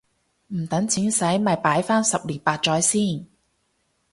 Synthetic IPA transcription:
m̩˨˩t̪ɐ˨˥ŋt͡sʰiː˨˥nsɐ˨˥jmɐ˨jpaː˨˥jfaː˥nsɐ˨p̚liː˨˩npaː˧t̚t͡ʃɔː˨˥jsiː˥˩n

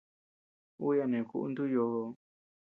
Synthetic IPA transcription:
u˦ja˧nẽ˨ku˦ʔṵ˧nd̪u˦jo˧ho˧

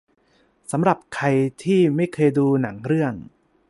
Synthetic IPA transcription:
sa˩˦mɾa˨˩p̚kʰa˧jt̪ʰiː˥˩ma˥˩jkʰɤː˧jduː˧na˩˦ŋɾɯ˥˩əŋ

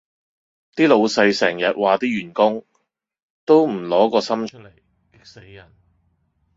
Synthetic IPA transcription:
t̪iː˥lo˨˧wsɐ˧jsɛː˨˩ŋjɐ˨t̚waː˨t̪iː˥jyː˨˩nkʊ˥ŋ | t̪o˥wm̩˨˩lɔː˨˥kɔː˧sɐ˥mt͡ʃʰt̚le˨˩j | e˨˥jjɐ˨˩n

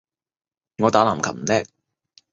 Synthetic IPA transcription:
ŋɔː˨˧t̪aː˨˥laː˨˩m˨kʰɐ˨˩m̩˨˩lɛː˥k̚

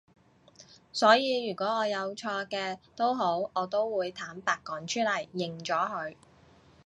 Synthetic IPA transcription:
sɔː˨˥jiː˨˧jyː˨˩kʷɔː˨˥ɔː˨˧jɐ˨˧wt͡ʃʰɔː˧kɛː˧t̪o˥wɦo˨˥wɔː˨˧t̪o˥wwuː˨˧jt̪ʰaː˨˥mpaː˧kːɔː˨˥nt͡ʃʰyː˥lɐ˨˩jːɪ˨ŋt͡ʃɔː˨˥ɦɵ˨˧ɥ

